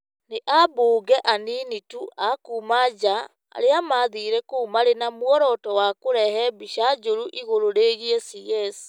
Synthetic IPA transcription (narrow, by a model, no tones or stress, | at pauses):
neʔaboːɡɛʔaninituʔakuːmad͡ʑa | a̰ɾeamaðiɾɛkoːmaɾenamwɔɾɔtɔwakoɾɛɦɛbiɕad͡ʒoɾuʔiɣoɾoɾeːɣiɛsiɣɛsi̥